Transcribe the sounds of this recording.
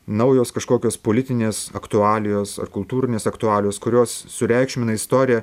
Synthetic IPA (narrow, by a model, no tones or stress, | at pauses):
nɐʊjoːskɐʃkoːkʲoːspoːlʲɪt̪ʲɪnʲeːsɐkt̪ʊɑːlʲɪjoːsɐ̰rkʊlˠt̪uːɾʲɪnʲeːsɐkt̪ʊɑːlʲɪjoːskʊɾʲoːsːʊɾʲɛɪkʃʲmʲɪnɐɪst̪oːɾʲɪjɛ